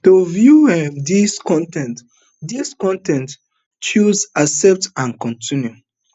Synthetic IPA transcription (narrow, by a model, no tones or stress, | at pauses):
tovjuɛdiskɔ̃ntɛ̃nt | diskɔ̃ntɛ̃nt | t͡ʃuzasɛp̚tãnkɔ̃ntĩnju